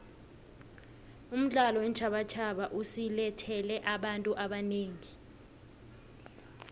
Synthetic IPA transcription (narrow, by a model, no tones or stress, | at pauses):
um̩ɮalɔwɛnt͡ʃʰaɓat͡ʃʰaɓaʔusilɛtʰɛlɛʔaɓantʼuʔaɓaneːŋi